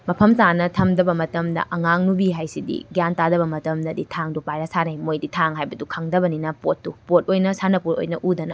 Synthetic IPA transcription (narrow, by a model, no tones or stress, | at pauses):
mɐpʰɐmtanɐtʰɐmdɐbɐmɐtɐmdɐ̰ʔɐŋaŋnubiɦajsidḭɡjantadɐβɐmɐtɐmdɐditʰaŋdupajɾasanajmojditʰaŋɦajbɐdukʰaŋdɐbɐninɐpotːupot̚ojnɐsanɐpoto̰jnɐʔudɐnɐ̰